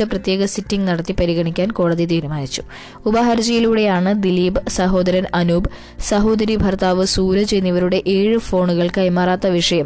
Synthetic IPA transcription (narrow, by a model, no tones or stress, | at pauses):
ɐprɐt̪je̞ːɡɐsitːiŋɡnɐɽɐt̪ːipɐɾiɣɐɳikʲːaːnko̞ːɽɐðit̪iːɾumaːnit͡ɕːu̥ | ubɐɦɐɾd͡ʑɐjiluɽe̞jaːɳɨd̪iliːbsɐɦo̞ːd̪ɐɾɐnɐnuːb | sɐɦo̞ːd̪ɐɾibʱɐrt̪aːʋɨsuːɾɐt͡ɕe̞jnːiʋɐɾuɽe̞ʔeːɻɨfo̞ːɳuɣɐɭkɐjmaːraːt̪ːɐʋiʂɐjɐm